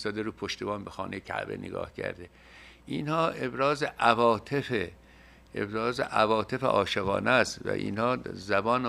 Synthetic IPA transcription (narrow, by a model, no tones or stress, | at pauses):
st̪ɒːd̪eɾuːpʰoʃt̪ebɒːnbexɒ̰ːnejekʰæ̰ʔbḛnʔḛɡɒ̰ːhcʰæ̰ɾd̪e | ʔiːnhɒːʔe̞bɾɒːzeʔævɒːt̪ʰefe | ḛbɾɒːzḛʔævɒːt̪ʰe̞feʔɒːʃeɣɒ̰ːnæst̪væ̰ʔḭːnhɒːzæbɒːn